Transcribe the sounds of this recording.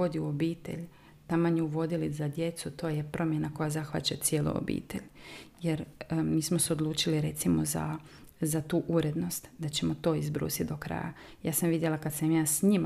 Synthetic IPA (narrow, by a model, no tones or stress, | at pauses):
od̪iuobiːt̪e̞̰ʎ | t̪amaɲeuʋo̞d̪ilizad̪je̞t̪sut̪o̞ːje̞pɾo̞mje̞nako̞jazaxʋa̰t͡ɕat̪sje̞ːlṵo̰bḭːt̪e̞ʎje̞ɾmiːsmo̞seo̞d̪lˠuːt͡ʃiliɾe̞t̪simo̞za̰ | zat̪uːʔuɾed̪no̞st̪d̪at͡ɕe̞mo̞t̪o̞ːizbɾṵːsit̪d̪o̞kɾa̰ja̰ | jaːsamʋid̪jelakad̪samjaːsɲim